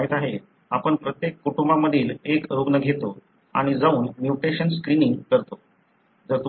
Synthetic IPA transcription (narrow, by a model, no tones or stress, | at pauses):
ɦit̪aɦe | a̰pəɳpɾət̪jekːuʈumbaməd̪ʱiːlekɾoɡnəɡʱet̪o | a̰ɽ̃id͡zauːnmjuʈeɕənskɾiniŋɡkəɾt̪o | d͡zəɾt̪u